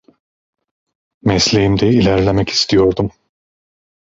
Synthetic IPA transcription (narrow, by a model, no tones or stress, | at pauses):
mɛslʲejimd̪ɛilʲæɾlʲemɛci̥st̪ʰijo̞ɾd̪um